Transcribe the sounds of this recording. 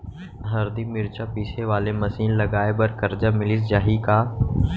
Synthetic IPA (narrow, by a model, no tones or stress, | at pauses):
ɦəɾd̪iːmɪɾt͡ʃʰaːpiːseʋaːleməsiːnləɡaːebəɾkəɾd͡ʒaːmɪlɪs̬d͡ʒaːɦiːkaː